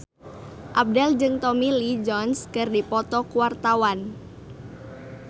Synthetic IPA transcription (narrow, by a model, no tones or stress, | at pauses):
ʔab̚dɛld͡ʒɨŋt̪ɔmilid͡ʒɔnskɨrdipɔt̪ɔkuwart̪awan